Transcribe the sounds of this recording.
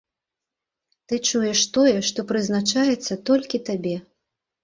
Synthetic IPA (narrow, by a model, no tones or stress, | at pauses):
t̪ɨt͡ʂujɛʂt̪ɔjɛʂt̪ɔpɾɨzn̪at͡ʂajɛt̪sːɐt̪ɔlʲkʲit̪abʲɛ